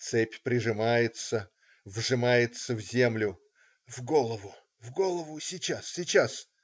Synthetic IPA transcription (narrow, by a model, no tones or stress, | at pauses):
t̪sɛpʲpɾʲɪʐɨmajɪt̪sə | vʐɨmajɪt̪səvzʲe̞mlʲʊ | vɡolˠəvʊ | vɡolˠəvʊsʲɪt͡ɕassʲɪt͡ɕas